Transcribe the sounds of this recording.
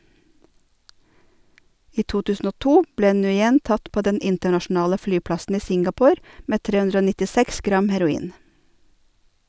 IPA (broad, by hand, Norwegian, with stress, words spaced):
ˈiː ˈtuː ˈtʉːsn̩ ˈoː ˈtuː ˈbleː nʉːˈjɛn ˈtɑt ˈpoː ˈdɛn ˈɪntəɳɑʃn̩ˌɑːlə ˈflyːˌplɑsn̩ ˈiː ˈsɪŋɡɑˌpoːɾ ˈmeː ˈtɾeː ˈʉndɾə ˈoː nɪtɪˈsɛks ˈɡɾɑm hæɾʊˈiːn